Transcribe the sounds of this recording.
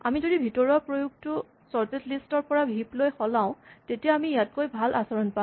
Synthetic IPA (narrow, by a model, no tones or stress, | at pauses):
amizodibʱitɔɹɔɹpɹojuk̚tʊ | sɔɹtetlistɔɹpɔɹabʱiplojxɔlãʊ̃tetijaamijat̚kojbʱalʔasɔɹɔnpã